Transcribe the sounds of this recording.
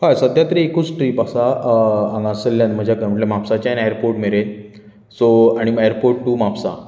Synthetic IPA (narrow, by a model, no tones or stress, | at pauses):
hãsəd̪ʱjat̪ɾiekut͡sʈɾiːpasaãŋɡasəlːjãnm̤əd͡ʑʱjakəməʈlemapsat͡ɕajnɛjəɾpoɾʈmeɾe | soaɽ̃imajəɾpoɾʈʈumapsa̰